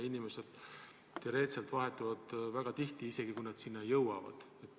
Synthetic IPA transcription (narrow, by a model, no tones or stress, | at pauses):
inime̞se̞d̪̥ | t̪iɾe̞t̪selt̪vɑɦe̞t̪ːˑuvɑd̪̥væɡ̥ɑt̪iht̪iise̞ɡ̥ikujnɑd̪̥sinːɑjɤwɑ̰vɑ̰d̪̥ | et̪ːˑ